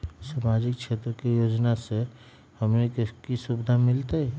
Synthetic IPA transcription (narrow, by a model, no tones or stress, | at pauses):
samaːd͡ʒɪkkʃʰeːt̪ɾəkejoːd͡ʒnase | hɐmnekkisubɪd̪ʱamɪlt̪aɛ